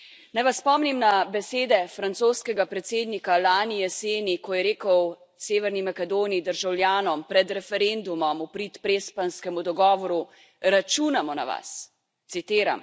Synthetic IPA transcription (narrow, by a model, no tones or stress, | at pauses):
najʋaspɔːmnimnabɛseːd̪ɛfɾant̪soːskɛɡapɾɛt̪seːd̪nikalaːnijɛseːnikɔjɛɾeːkɔw | seːʋɛɾnimakɛd̪oːniid̪əɾʒawljaːnɔmpɾɛd̪ɾɛfɛɾend̪umɔmupɾiːt̪pɾeːspanskɛmud̪ɔɡɔːʋɔɾu | ɾat͡ʃuːnamɔna̰ʋa̰s | t̪sit̪eːɾa̰m